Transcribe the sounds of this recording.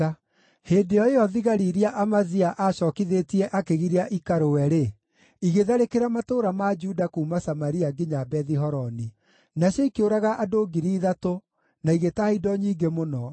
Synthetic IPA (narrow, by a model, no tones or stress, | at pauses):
heːndeɔeɔðiɣaɾiɾiaʔamaziaʔaɕɔːkiðetiɛʔakeɣiɾeaʔikaɾowɛɾe | iɣeðaɾekeɾamatoːɾamad͡ʒudakuːmasamaɾiaɡiɲabɛðiɦɔɾɔni | naɕjɔikeoɾaɣaʔadoɡiɾiːðato | naiɣetaidɔɲiːɡemonɔ